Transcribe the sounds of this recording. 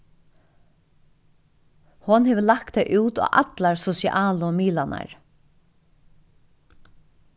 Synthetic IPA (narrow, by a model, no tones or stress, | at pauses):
hɔnhɛːʋəlak̚t̪ɛjʔuːt̪a̰ːʔa̰t̪laɹsɔsj̰ʔaːlʊmiːlana̰ɹ